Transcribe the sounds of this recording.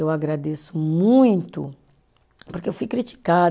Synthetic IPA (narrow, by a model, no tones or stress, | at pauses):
ewaɡɾad̪esʊmũj̃t̪ʊ̰ | poɾkeewfujkɾit͡ʃi̥ka